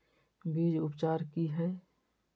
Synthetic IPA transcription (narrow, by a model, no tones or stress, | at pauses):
biːd͡ʒʊpt͡ʃaːɾkiɦɛː